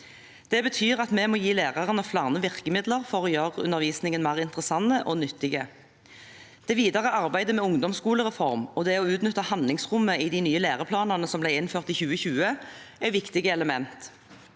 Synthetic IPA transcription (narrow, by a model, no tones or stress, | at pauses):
d̪̥ɛbət̪ʰyːʁɑt̪mɛmoːjiːleːʁɑʁənɔflɑːʁnəʋɪʁkəmɪd̪ləʁfɔʁoːjøːʁəʉ̰nəʁʋiːsnɪŋənmæːʁɪnt̪ʁəsɑnːəʔɔnʏt̪ːɪɡə | d̪̥ɛʋiːd̪ɑʁəʔɑʁbæɪd̪əmɛʊŋd̪ɔmskuːləʁɛfɔʁmɔd̪ɛɔʉːt̪nʏt̪ːəhɑnd̪lɪŋsʁʊmːəiːd̪inyːəleːʁəpʰlɑːnɑnəsɔmblæɪɪnføːʁt̪iːçʉːəçʉːə | æɪʋɪkt̪ɪɡəɛləmɛnt̪